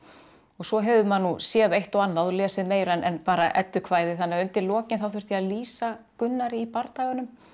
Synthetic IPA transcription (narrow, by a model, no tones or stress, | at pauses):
ɔɣsɔɦɛvʏmanːusjɛːðejht̪ɔɣanːaðɔlɛːsɪðmeːjɾaɛnʔɛnpaːɾaʔɛt̪ːʏkʰvaːjðɪθanːɛaʏnt̪ɪlɔːcɪnθawθʏ̥ɾ̥t̪iaðliːsakʏnːaɾɪipaɾt̪aːɣanʏm